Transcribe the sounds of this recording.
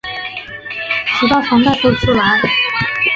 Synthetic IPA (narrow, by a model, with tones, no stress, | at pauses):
ʂi˧˥t̪ɑ˥˩ʊfʰɑ˧˥ŋt̪a˥˩ɪso˥˩ʈ͡ʂʰu˥˩la˧˥ɪ